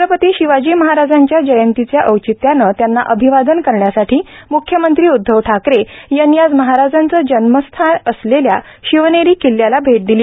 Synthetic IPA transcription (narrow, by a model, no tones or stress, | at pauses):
ɾəpət̪iːɕiʋad͡ʑiːməɦaɾad͡zaɲt͡ɕjad͡ʑəjənt̪it͡sjaʔəwt͡ɕit̪janət̪janːa̰ʔəbʱiʋad̪ənkəɾɳjasaʈʰiːmukʰːjəmənt̪ɾiːud̪ʱːəʋʈʰakɾejanːiad͡zməɦaɾad͡zant͡səːd͡ʑənməst̪ʰanəslelja̰ɕiʋneɾiːkilːjalabʱeʈ̚d̪iliː